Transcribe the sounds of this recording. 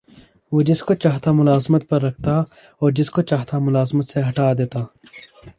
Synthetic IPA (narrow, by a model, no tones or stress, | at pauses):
ʋoːd͡ʒɪskot͡ʃaːɦt̪amʊlaːzmət̪̚pɐɾːɐk̚ʰt̪a | ɔːɾd͡ʒɪskot͡ʃaːɦt̪amʊlaːzmət̪seɦɐʈaːd̪eːt̪aː